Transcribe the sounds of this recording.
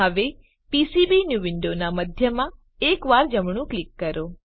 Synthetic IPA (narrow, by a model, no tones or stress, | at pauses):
əʋe | pisibinjuʋɪɳɖonaməd̪ʱjəmã | ekʋaɾd͡ʒəmɳ̃ũklikːəɾo